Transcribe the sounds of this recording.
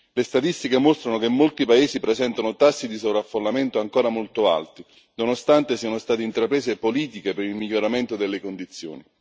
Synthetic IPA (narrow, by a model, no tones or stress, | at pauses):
lest̪at̪ist̪ikemost̪ɾanok̟emːolt̪ipaeːzipɾezɛnt̪anot̪asːid̪isovɾafːolːament̪oaŋkoːɾamolt̪oa̰lt̪i | nonost̪ant̪esiːanost̪aːt̪int̪ɾapɾeːsepoliːt̪ikepeɾilmiʎːoɾament̪od̪elːekond̪it̪sːjo̰ːni